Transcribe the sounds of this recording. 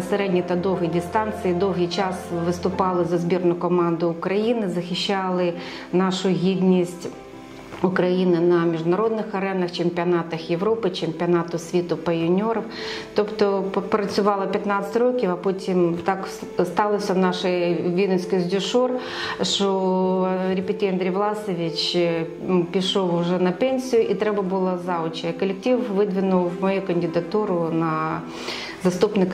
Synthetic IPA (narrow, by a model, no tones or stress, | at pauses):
seɾɛdʲnʲit̪ɐd̪ɔwɦijdʲist̪ɑnt̪sɨjid̪ɔwɦɨjt͡ʃɑsʋɪst̪ʊpɑlˠɪzɐzbʲirnʊkɔmɑnd̪ʊːkɾɐjinɪzɐxʲɪʃːalˠɪ | nɑʃʊɦʲid̪ʲnʲisʲtʲ | ʊkɾɐjinɪnɐmʲiʒd̪nɐɾɔd̪̚nɪxɐɾɛnɐxt͡ʃɪmʲpʲiɐnɑt̪ɐxjeʋɾɔpɪt͡ʃemʲpʲiɐnɑt̪ʊsʲʋʲit̪ʊpɐjʊnʲɔɾɔw | t̪ɔpt̪ɔpɾɐt͡sʲʊʋɑlˠɐpʲɐt̪nɑt̪sə̥t̪ʲɾokʲɪfɐpotʲimt̪ak | st̪ɑlˠɐsʲɐwnaʂɪjʋʲinɐsʲkɪzʲdʲʊʂur | ʃo | ɾʲɪpʲɪtʲijɐnd̪ɾʲejʋlˠɑsɔʋʲɪt͡ʃ | pʲɪʂowʊʐɛnɐpɛnʲsʲijʊʔit̪ɾɛbɐbulˠɐzaʊt͡ʃɐkɐlʲɪk̚tʲiwʋɪd̪ʲʋʲɪnʊw̪ˠmɐjukɐnʲdʲɪd̪ɐt̪uɾʊnɐ | zɐst̪upnɪk